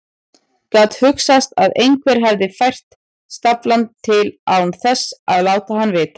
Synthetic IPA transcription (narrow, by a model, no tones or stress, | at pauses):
kat̪hʏksast̪aðejŋkʰvɛɾ̥ɦɛvðɪfajr̥t̪ | st̪aplant̪ʰːɪlaːwnθɛsːaðlaːwt̪ahanːvɪð